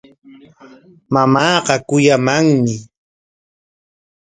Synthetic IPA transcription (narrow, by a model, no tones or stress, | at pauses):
mamɑːɢɑkʊjamaŋmɪ